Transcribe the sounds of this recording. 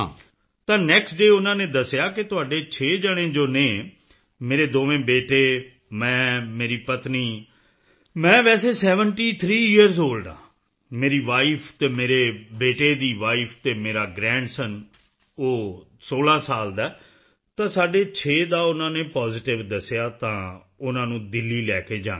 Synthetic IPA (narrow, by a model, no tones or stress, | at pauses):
ã̰ː | t̪ãːnɛːksʈɖeːʊnãːnẽːd̪əsejaːkɪt̪ʊaːɖeːt͡ʃʰeːd͡ʒəɽ̃ẽːd͡ʒoːnẽː | meːɾeːd̪oːʋẽːbeːʈeː | mɛ̃ːmeːɾiːpət̪niː | mɛ̃ːʋɛːseːsɛːʋənʈiːt̪ʰɾiːɪjəɾzoːlɖa̰ː | meːɾiːʋaːiːpʰt̪eːmeːɾeːbeːʈeːd̪iːʋaːiːpʰt̪eːmeːɾaːɡɾɛ̃ːɳɖsən | oː | soːlãːsaːld̪ɛː | t̪ãːsaːɖeːt͡ʃʰeːd̪aːʊnãːneːpaːzɪʈɪʋd̪əsejaːt̪ãː | ʊnãːnũːd̪ɪlːiːlɛːkeːd͡ʒãː